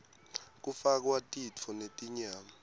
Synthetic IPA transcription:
k̬ʼufak̬watʼit͡fʰɔnetʼiɲaːma

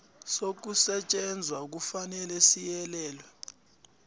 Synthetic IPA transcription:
sok̬usɛt͡ʃʼɛnd͡zʱwak̬ufanɛlɛsijɛlɛːlwɛ

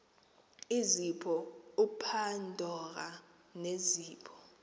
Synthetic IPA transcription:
izipʰɔupʰandʱɔk̬a | neziːpʰɔ̥

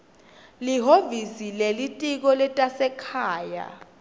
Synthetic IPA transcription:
liɦovisilelitʼik̬ɔlɛtʼasɛkʰaːja̰

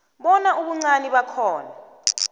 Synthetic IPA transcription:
ɓɔnaʔuɓuŋ͡ǀaniɓakʰɔːna

